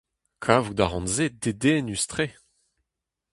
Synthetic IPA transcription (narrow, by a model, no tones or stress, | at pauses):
kʰaːvud̪aʁɑ̃nzed̪ed̪eːnyst̪χe